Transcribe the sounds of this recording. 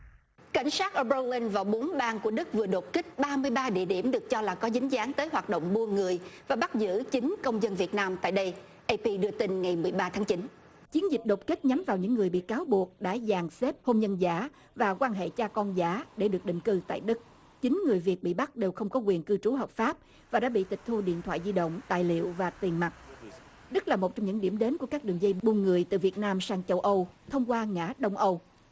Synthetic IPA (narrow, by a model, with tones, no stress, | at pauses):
ka̰˧˩jŋ̟saː˦˥t̚ʔə˧ɓə˧li˧nvaː˨˩wɓo˨˦nɓaː˧nku˧˩əɗɨ˦˥k̚vɨ˨˩əɗo˨˩t̚kï˦˥k̚ɓaː˧mɨ˧əjɓaː˧ɗḭ˧˨əɗḭ˧˩əmɗɨ˨˩ək̚t͡ɕɔ˧laː˨˩kɔ˨˦zï˨˦ŋ̟zaː˨˦nt̪əː˨˦jɦwaː˨˩t̚ɗo̰˧˨wŋ͡mɓu˧əŋɨ˨˩əjvaː˨˩ɓa˦˥zɨ̰˧˥t͡ɕï˨˦ŋ̟kə˧wŋ͡mzə˧nvi˨˩ət̚naː˧mt̪a̰ː˧˨jɗə˧j | ʔe˧pi˧ɗɨ˧t̪i˧nŋŋa˨˩jmɨ˨˩əjɓaː˧t̪ʰaː˨˦ŋt͡ɕi˨˦n | t͡ɕi˨˦ənzï˨˩k̟̚ɗo˨˩t̚kï˦˥k̚ɲa˨˦mvaː˨˩wɲɨ̰˧˥ŋːɨ˨˩əjɓḭ˧˨kaː˨˦wɓu˨˩ək̚ɗa̰ː˧˥jzaː˨˩ŋse˦˥p̚ho˧mzə˧nzaː˧˩˦ | vaː˨˩kwaː˧nɦḛ˧˨t͡ɕaː˧kɔ˧nzaː˨˦ɗe˧˩ɗɨ˨˩ək̚ɗḭ̈˨ŋ̟kɨ˧t̪a̰ː˧˨jɗɨ˦˥k̚ | t͡ɕï˨˦ŋ̟ŋɨ˨˩əjvi˨˩ət̚ɓḭ˧˨ɓa˦˥k̚ɗe˨˩wxə˧wŋ͡mkɔ˨˦kwi˨˩ənkɨ˧t͡ɕu˨˦ɦəː˨˩p̚faː˦˥p̚ | vaː˨˩ɗa̰ː˧˥ɓḭ˧˨t̪ï˨˩k̚t̪ʰu˧ɗḭ˧˨ənt̪ʰwa̰ː˧˨jzi˧ɗə̰˧˨wŋ͡mt̪a̰ː˧˨jlḭ˧˨əwvaː˨˩t̪i˨˩ənma˨˩t̚ | ɗɨ˦˥k̚laː˨˩mo˨˩t͡ɕɔ˧wŋ͡mɲɨ̰˧˥ŋɗi˧˩əmɗe˨˦nku˧˩əkaː˦˥k̚ɗɨ˨˩əŋzə˧jɓu˨˩nŋɨ˨˩əjt̪ɨ̰˨˩vi˨˩ət̚naː˧msaː˧ŋt͡ɕə˧wʔə˧wt̪ʰə˧wŋ͡mkwaː˧ŋa̰ː˧˥ɗə˧wŋ͡mʔə˧w